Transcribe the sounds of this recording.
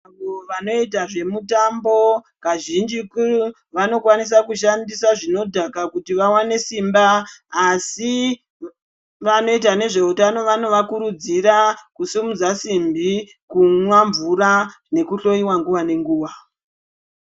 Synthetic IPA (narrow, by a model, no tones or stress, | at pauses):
aʋoʋano̞itaʐe̞mutambo̞ | kaʒind͡ʒikuru | ʋano̞kwanis̬akuʃandisaʐino̞dʱakakutiʋawane̞simbaː | si | ʋano̞itane̞ʐe̞utano̞ʋano̞ʋakuɾud͡ziɾakusimud͡zasimbi | kumwaɱvuɾa | ne̞kuɬo̞iwaŋɡuʋane̞ŋɡuːwa